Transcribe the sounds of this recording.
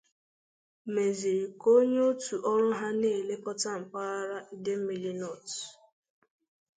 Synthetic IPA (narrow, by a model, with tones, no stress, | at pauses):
me˨zi˨ɾi˨ko˦ɲe˦o˦tu˨ʔɔ˦ɾʊ˦ɦa˦ne˦˨le˦kɔ˦ta˦m̩˨pa˦ɾa˦i˦de˦m̩˦mi˨li˦nɔ˦˨t